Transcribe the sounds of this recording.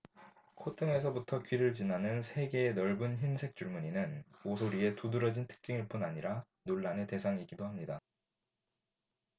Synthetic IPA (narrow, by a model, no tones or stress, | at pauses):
kʰotʰɯŋe̞s̬ʰʌbutʰʌkɥiɾɯɭt͡ɕinanɯnsʰe̞ɡe̞ːnʌɭbɯnçinsʰe̞k̚t͡ɕ͈uɭmuɲinɯnosʰoɾie̞tudɯɾʌd͡ʑintʰɯ̥k̚t͡ɕ͈iŋiɭp͈unaɲiɾa | noɭːanɯte̞sʰaŋiɡidohamɲida